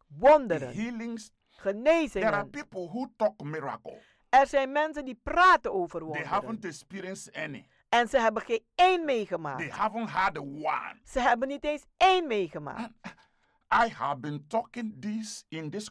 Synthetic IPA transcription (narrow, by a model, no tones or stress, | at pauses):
ʋɔndəɾə̰nhilɪ̃ŋs | χənejzɪdɛŋanpipl̩ɦutɔkmiɹa̰kə̰l̩ | ɛɹzɛjnmɛnsəndipraːtənoːvərʋdeɦavə̃ntɛspiɹiə̃nstɛnḭ | ɛnzəɦɛbənχenejnmejχəma̰ːkdehavə̃ntɦɛdəwã̰nsəɦɛbənːitejnsejnmejχəma̰ːn | ʔajha̰vbĩntɔkɪ̃ŋdisɪ̃ndɪs